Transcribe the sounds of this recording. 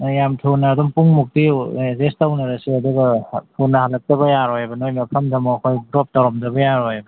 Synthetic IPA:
jamtʰunaːdɔmpuŋmuk̚tizestawnɐɾɐsiɐduɡɐtʰunːahalɐk̚tɐbɐjaɾojbɐnojmɐpʰɐmdɐmɔɐkʰojdɾɔp̚tawɾɔmdɐbɐjaɾojbɐ

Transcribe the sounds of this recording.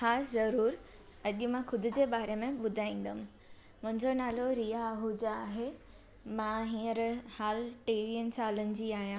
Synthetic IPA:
xaːszɐɾuːɾ | ɐʄʊ̆mãxʰʊd̪ʱʊ̆d͡ʑeːbaːɾemẽɓʊd̪ʱaːĩːn̆d̪əɦʊ̃̆ | mʊ̃ɦɪ̃ɲd͡ʑonaːloɾiːaɦud͡ʑaaːɦe | mãɦĩːəɾhaːlʈeːɾiənt͡ɕʰaːlənɪ̆d͡ʑiːaːɦijãː

